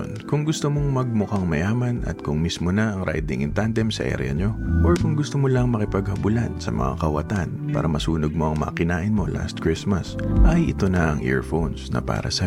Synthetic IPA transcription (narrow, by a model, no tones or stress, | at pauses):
nkʊŋɡʊst̪omoŋmɐɡ̚mʊkaŋmɐjaːmɐnɐ̰t̪̚kʊŋmismonɐʔɐŋɾʔa̰jd̪ɪŋɪnt̪and̪ɛmsɐʔɛ̰ɾ̰ɐ̰ɲo̞ʔoɹkʊŋɡʊst̪omolɐŋmɐkɪpɐɡhɐbʊlansɐmɐ̰ŋa̰kɐwɐ̰t̪anpa̰ːɾɐmɐsuːnoɡ̚mo̞ʔɐŋmɐ̰kɪnaːʔɪnmo̞la̰st̪̚kɹɪsmɐsʔɐjʔɪt̪o̞nɐʔɐŋʔɛ̰ɹfonsnɐ̰pa̰ːɾɐ̰sɐ